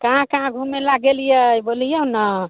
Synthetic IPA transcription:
kaɦãkaãɡʱumːelaɡelijəjbolijəna

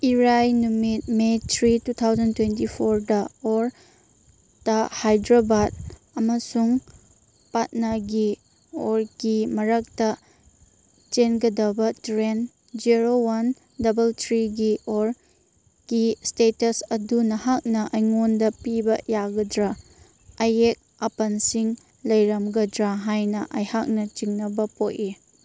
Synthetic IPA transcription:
iɾajnumit̚metʰɾitutʰawzɐntwentipʰoɾdɐoɾ | tɐhajdɾabad̚ | ɐmɐsuŋ | pat̚nɐɡi | oɾɡimɐɾɐk̚tɐ | t͡ʃenɡɐdɐbɐtɾen | d͡ʒiɾowan | dɐbɐltʰɾiɡiʔoɾ | ɡ̥istetɐsɐdunɐhak̚nɐʔɐjŋondɐpibɐjaɡɐdɾaː | jek̚ | ɐpɐnsiŋ | lɐjɾɐmɡɐdɾaɦajnɐʔɐjhak̚nɐt͡ʃiŋnɐbɐpoʔ̚i

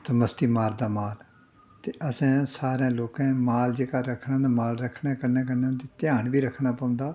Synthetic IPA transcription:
səməst̪iːmaːɾd̪aːmaːl | t̪eːʔəsɛ̃ːsaːɾãːloːkɛ̃ːmaːld͡ʒeːkaːɾəkʰːnãnd̪amaːlɾəkʰːnãːkəɾnẽːkəɾnẽːʊnd̪eːt̪ɪjãːɳbiːɾəkʰːɳaːpə̃ːnd̪aː

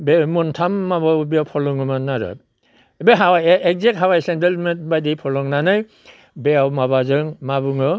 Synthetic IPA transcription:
bemɔntʰamːabawbejawpʰɔlɔŋɯmanaɾɯ̰ | beɦawaek̚zek̚ɦawajsendelmet̚bajdipʰɔlɔŋnanaj | beawmaβazɯŋmabɯŋɯ

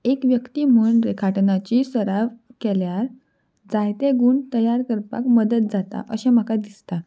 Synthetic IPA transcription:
ekʋjəkt̪im̤uɳpɾekʰaʈnat͡ɕisəɾaʋkɛljaɾ | d͡zajt̪eɡuːɳt̪əjaɾkəɾpa̰kməd̪ət̪̚d͡zat̪a̰ʔəɕɛm̤əkad̪ist̪a

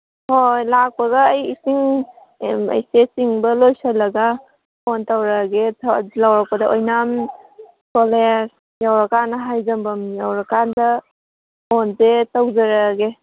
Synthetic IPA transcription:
hojlak̚pɐɡaːjisiŋ | ɐ̰jsesiŋbɐlojsalɐɡa | ɔntawɾaɡelawɾak̚pɐdɐʔojnam | kɔleɾ | jawɾakanɐɦajzɐmbɐmjawɾakandɐ | onzetawzaɾaɡe

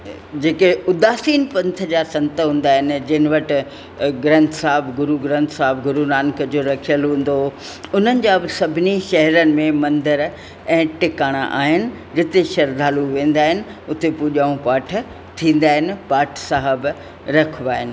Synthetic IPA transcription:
d͡ʑeːkeʊd̪aːsiːnpɐ̃nt̪ʰəd͡ʑaːsɐ̃nt̪əɦũːnd̪aːɦɪnɪ̆d͡ʑɐɦɪnɪ̆ʋɐʈɪ̆ | ɡɾɐ̃nt̪ʰsaːɦɪbɡʊɾuɡɾɐ̃nt̪ʰsaːɪbɡʊɾunaːnkəd͡ʑoɾɐkʰijəlɦũːn̆d̪o | ʊn̤ənɪ̆d͡ʑaːbɪsɐbʱɪniʃɐɦɾənɪ̆mẽmɐ̃nd̪əɾ | ɛ̃ːʈɪkaːɽ̃a̰ʔa̰ːɦɪnɪ̆ | d͡ʑɪt̪eʃɐɾd̪ʱaːluʋẽːn̆d̪aːɦɪnɪ̆ʊt̪epuːʄaːũpaːʈʰ | t̪ʰĩːn̆d̪aːɦɪnɪ̆paːʈʰsaːɦəb | ɾɐkʰʋaːɦɪnɪ̆

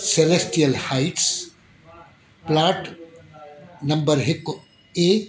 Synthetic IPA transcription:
selesʈijəlhaɪʈs | plaːʈ | nɐmbəɾɦɪkː | e

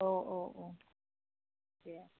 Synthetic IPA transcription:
oʔoʔo | ja

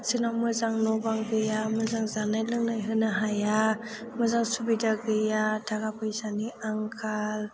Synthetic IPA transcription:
sɯnamɯzaŋnɔbaŋɡɯjamɯzaŋzanajlɯŋnajɦɯnaɦaja | mɯzaŋsubidaɡɯjatʰaɡapʰɯjzaniaŋkʰal

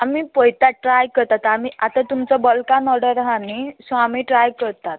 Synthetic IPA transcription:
amipəjt̪aʈɾajkəɾt̪at̪amiʔat̪ãt̪umt͡səbəlkãnɔɽəɾɦanisamiːʈɾajkəɾt̪at̪̚

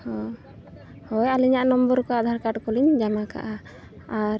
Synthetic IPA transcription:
hɔ | hɔjaliɲaʔnɔmbɔɾkɔad̪ʱaɾkaʈkɔliɲd͡ʒamaka̰ʔa | aɾ

